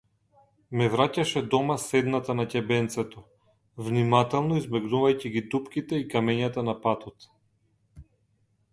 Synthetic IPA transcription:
mɛvɾacaʃɛd̪ɔmasɛd̪nat̪anacɛbɛnt̪sɛt̪ɔ | vnimat̪ɛlˠnɔizmɛɡnuvajciɡid̪upkʲit̪ɛikamɛɲat̪anapat̪ɔt̪

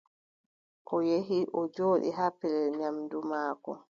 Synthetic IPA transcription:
ʔɔjeɦiʔɔd͡ʒoːɗḭɦapɛlɛɲamdumaːkɔ̰

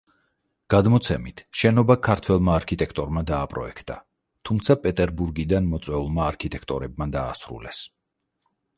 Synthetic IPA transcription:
ɡ̥ad̪mɔt̪sʰɛmit̪ʰʃɛnɔbakʰaɾt̪ʰwɛlˠmaːɾkʰit̪ʼɛkʰt̪ʼɔɾmad̪aːpʼɾɔ̰ɛkʰt̪ʼa | t̪ʰumt̪sʰapʼɛt̪ʼɛɾbuɾɡid̪anmɔt̪sʼwɛulˠmaːɾkʰit̪ʼɛkʰt̪ʼɔɾɛb̚mad̪aːsɾṵlɛs

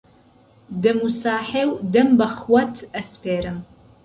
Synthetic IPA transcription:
dɨmusaːħeːwdɐmbɐχwɐtʰɐspʰeːɾɨm

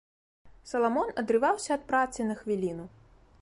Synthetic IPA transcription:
sɐlˠamɔnɐd̪ɾɨvawsʲɐɐt̪̚pɾat̪sɨnɐxvʲilʲinu

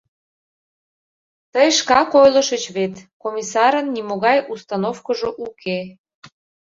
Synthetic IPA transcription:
t̪əjʃkɑkojlə̆ʃət͡ɕβet̪komʲisɑɾənːimoɣɑjʔust̪ɑnofkəʒoʔuke

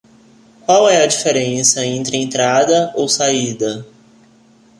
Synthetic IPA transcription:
kwawɛɐd͡ʒifeɾẽsɐẽnt̪ɾɪẽnt̪ɾad̪ɐowsaid̪ɐ

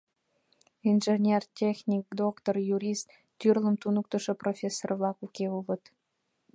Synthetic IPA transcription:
inʒenʲertʲexʲnʲik̚d̪okt̪orjuɾʲist̪ːʲyrlə̆mt̪unuk̚t̪ə̆ʃə̆profʲesːorvlˠɑkukʲeuβə̆t̪

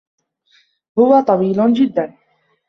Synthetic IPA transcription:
hʊwat̪ˤɑwiːlʊnd͡ʒɪd̪ːan

